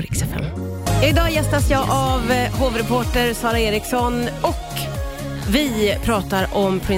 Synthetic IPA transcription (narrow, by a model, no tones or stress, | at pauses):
ɾɪksɛfɛ̰m | ɪd̪ɑːjɛst̪asjɑːʔavhoːvɾɛpʰoːʈəɾsɑːɾaeːɾɪksɔnɔk | vɪpʰɾɑːt̪aɾɔmpʰɾɪ